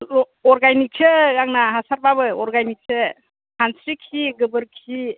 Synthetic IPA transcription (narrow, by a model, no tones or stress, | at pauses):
lɔ | ɔɾɡanik̚sʰɯɡaŋnaɦasaɾbabɯɔɾɡanik̚sʰɯ | hʰansɾikʰiɡɯbɯɾkʰi